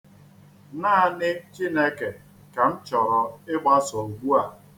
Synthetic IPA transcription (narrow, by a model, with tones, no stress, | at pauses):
naː˦a˨nɪ˦t͡ʃi˦ne˦ke˨ | ka˨n̩˦t͡ʃɔ˨ɾɔ˨ɪ˦ɡ͡ba˦so˨ɡʷu˦a˨